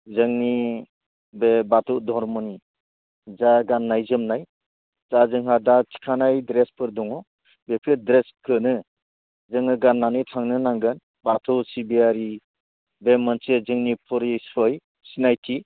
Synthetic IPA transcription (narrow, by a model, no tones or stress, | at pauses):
zɯŋni | bebatʰɔwdɔɾmɔni | zaɡanːajzɯmnaj | zazɯŋɦadatʰi̥kʰanajdɾespʰɯɾdɔŋɔ | bekʰidɾeskʰɯnɯ | zɯŋɯɡanːanɯtʰaŋnɯnaŋɡɯn | batʰɔwsibiaɾi | bemansezɯŋnipʰɔɾisɔj | sinajtʰi